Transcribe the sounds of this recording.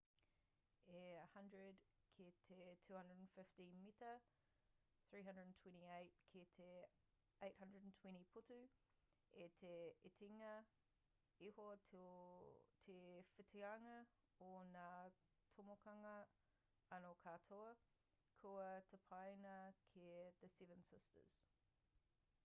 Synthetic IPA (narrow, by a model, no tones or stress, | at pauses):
eɐhɐ̃ndɹədkʰetʰetʰʉːhɐ̃ndɹədnfɪftĩnmitɐ | θɹiːɦɐ̃ndɹədn̩tʰw̥ɛ̃ntieɪt̚kʰetʰe | eɪt̚hɐ̃ndɹədn̩tʰw̥ɛ̃ntipʰʊtʉ | etʰeetʰiŋɐ | eho | tʰefɪtʰiɐŋɐ | ona | tʰomokʰɐŋɐ | ɐnokʰaːtʰoə | kʰuətʰəpʰɑɪnɐkʰeðəsɛvə̃nsɪstə̰z̥